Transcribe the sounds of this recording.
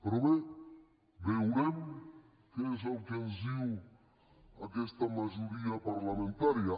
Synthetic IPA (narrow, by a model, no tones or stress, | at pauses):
pɾoβe | bewɾɛm | kezawkenziw | akɛst̪ɐmaʒuɾiapaɾlamẽnt̪aɾja